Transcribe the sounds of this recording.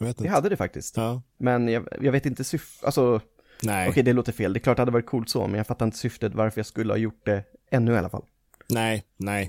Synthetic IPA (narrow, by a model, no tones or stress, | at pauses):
veːt̪ahad̪ːəd̪ɛfa̰k̚t̪ɪst̪ːmɛnjɑjɑːɡveːt̪ɪnt̪əsʏfʔa̰lsɔ | nɛɔkʰɛjd̪ɛloːt̪əfeːld̪ɛklɑːʈ̚d̪ɛhad̪əɑːɾɪt̪̚kʰuːlt̪sɔ̰mɛ̰njaɡfat̪ːaɾɪnt̪ə̥sʏft̪ət̪vaɾfœɾjɑskɵlːəhɑ̰ːjʊʈ̚d̪ɛɛnːʉa̰lːafa̰lː | nɛɪnɛj